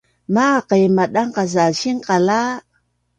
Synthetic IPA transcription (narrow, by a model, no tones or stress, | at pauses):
maqejmaɗaŋqazaʃiŋqala